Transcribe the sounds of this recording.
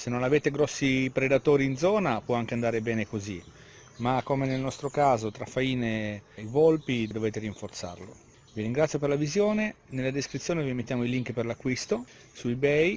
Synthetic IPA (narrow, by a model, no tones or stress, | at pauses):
senːonaveːt̪eɡɾɔsːipɾed̪at̪oːɾiːnd̪zɔːnapwɔaŋk̟eand̪aːɾebɛːnekozi | makːomenelnɔst̪ɾokaːzot̪ɾafːaiːneivolpid̪d̪oveːt̪eɾiɱfort̪sa̰rlo | viɾiŋɡɾat̪sːjop̬eɾlavizjoːnenelːad̪eskɾit̪sːjoːnevimet̪ːjaːmoiliŋkperlakːwist̪o | suibɛj